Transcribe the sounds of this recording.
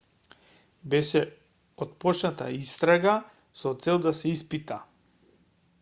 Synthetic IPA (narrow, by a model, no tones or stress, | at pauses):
bɛʃɛ | ɔt̪̚pɔt͡ʃnat̪a̰ist̪ɾaɡa | sɔt̪sɛlˠd̪asɛispit̪a